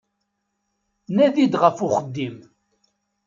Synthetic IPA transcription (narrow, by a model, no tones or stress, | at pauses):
næðid̪ʁəfʊχəd̪ːim